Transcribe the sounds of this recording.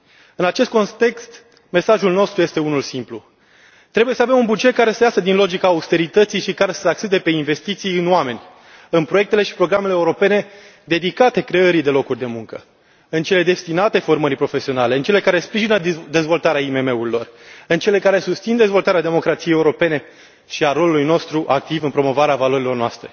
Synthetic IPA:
ɨnat͡ʃe̞st̪ko̞nt̪e̞kst̪ | me̞saʒulno̞st̪ɾuje̞st̪e̞unulsimplu | t̪ɾe̞buje̞səavemunbud͡ʒet̪̚kaɾe̞sejasəd̪inlo̞d͡ʒikaːust̪e̞ɾit̪ət̪sijʃikaɾe̞səak̚t͡ʃed̪e̞pe̞inve̞st̪it̪sijɨnowame̞nʲ | ɨnpɾoje̞k̚t̪e̞le̞ʃi̥pɾo̞ɡɾame̞leːuɾo̞pe̞ne̞ | d̪e̞d̪ikat̪e̞kɾe̞əɾid̪e̞lo̞kurʲd̪e̞muŋkə | ɨnt͡ʃe̞le̞d̪est̪inat̪e̞fo̞rməɾʲpɾo̞fesio̞nale̞ɨnt͡ʃe̞le̞kaɾe̞spɾiʒinəd̪e̞zvo̞lt̪aɾeaime̞me̞uɾilo̞rɨnt͡ʃe̞le̞kaɾe̞sust̪sind̪ezvo̞lt̪aɾead̪e̞mo̞kɾat̪sijejeuɾo̞pe̞ne̞ | ʃiaɾo̞lulujno̞st̪ɾuʔak̚t̪ivɨnpɾo̞mo̞vaɾeavalo̞ɾilo̞rnoa̰st̪ɾe̞̰

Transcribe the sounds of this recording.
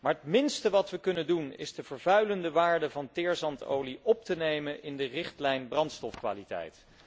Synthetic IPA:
maːɹətmɪnstəʋɑtʋəkɵnəndunɪ̰zdəvəɹvœɥləndəʋaːɹdəvɑntɪːɹzɑnto̰wliʔɔp̚tənejmənʔɪndərɪχtlɛjnbrɑntstɔfkʋa̰ːlitɛ̰jt

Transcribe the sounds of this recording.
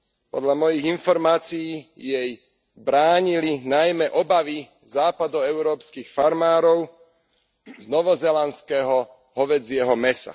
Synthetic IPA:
pɔ̰d̪ʎamɔjiɣinfɔɾmaːt͡sijːjɛj | bɾaːɲilinajmɛʔɔbaʋi | zaːpad̪ɔɛʊɾɔːpskiːxfaɾmaːɾɔʊ | znɔʋɔzɛlanskɛɦɔ | ɦɔʋɛd͡zɪɛɦɔmɛsa̰

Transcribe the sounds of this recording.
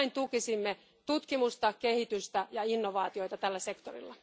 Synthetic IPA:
int̪ukisimːe | t̪ut̪kimust̪ɑkehit̪yst̪æjɑinːoʋɑːt̪io̞it̪ɑt̪ælːæsekt̪orḭlːɑ

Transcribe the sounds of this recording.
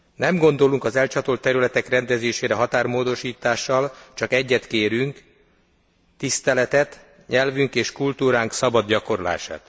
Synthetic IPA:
nɛmɡo̞nd̪o̞luŋkɒzɛlt͡ʃɒt̪olt̪ːɛɾylɛt̪ɛkrɛnd̪ɛzeːʃeːɾɛɦɒt̪aːrmoːd̪o̞ʃiːt̪aːʃːɒlt͡ʃɒkɛɟːɛt̪keːɾyŋk | t̪ist̪ɛlɛt̪ɛt̪ | ɲɛlvyŋkeːʃkult̪uːɾaːŋksɒbɒd̪ɟɒko̞ɾola̰ːʃa̰ːt̪

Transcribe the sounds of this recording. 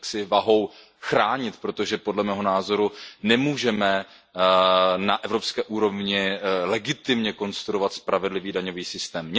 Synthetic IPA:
ksɪvaɦo̞w | xɾaːɲɪt̪pɾo̞t̪o̞ʒɛpo̞dlɛmɛːɦo̞naːzo̞ɾunɛmuːʒɛmɛ | naʔɛvɾo̞pskɛːʔuːɾo̞vɲɪlɛɡɪt̪ɪmɲɛko̞nst̪ɾuɾovat̪spɾʔavɛdlɪviːdaɲo̞viːsɪst̪ɛːmɲ

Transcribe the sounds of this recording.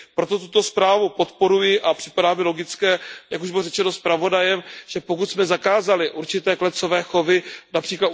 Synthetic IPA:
pɾo̞t̪o̞t̪̬ut̪o̞spɾaːvupo̞t̪po̞ɾujɪʔapr̥ɪpadaːmɪlo̞ɡɪt͡skɛːjakuʒbɪlorɛt͡ʃɛno̞spɾavo̞dajɛmʒ̥ɛpo̞kut̪smɛzakaːzalɪʔuɾt͡ʃɪt̪ɛːklɛt̪t͡so̞vɛːxo̞vɪnapr̥iːklat̪

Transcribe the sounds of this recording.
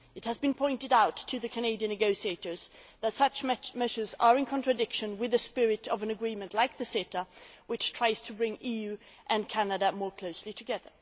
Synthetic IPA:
ɨt̚hɨzbɨ̃npʰɔ̃ɪ̃ntɨɾaʊtʰːɨðɨkʰɨneɪɾiɨ̃nɨɡoʊsieɪɾə˞z̥ðɨtsʌt͡ʃmɛʒə˞zə˞ɨ̃nkʰɑ̃ntɹ̥ɨdɪkʃɨ̃nwɨðɨspɪɹɨɾʌvɨ̃nɨɡɹĩmɨ̃nʔlaɪk̚ðɨseɾəwɨt͡ʃtʰɹ̥aɪz̥tʰɨbɹɪ̃ŋijʉ | ʔɨ̃nkʰænɨɾəmɔɹkʰl̥oʊslitʰɨɡɛðə˞

